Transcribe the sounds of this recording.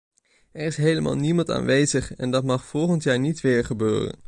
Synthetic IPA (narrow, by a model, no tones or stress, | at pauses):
ɛɹɪsɦejləmʔa̰ːlˠnimɑnta̰ːnʋejzəχɛndɑtmɑχfɔlˠχəntjaːɹnitʋɪːɹχəbøːrə̰n